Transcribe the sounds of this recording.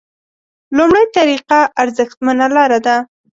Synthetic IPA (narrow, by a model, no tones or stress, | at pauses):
lumɽajt̪aɾiqaʔaɾzəxt̪manalɑɾad̪a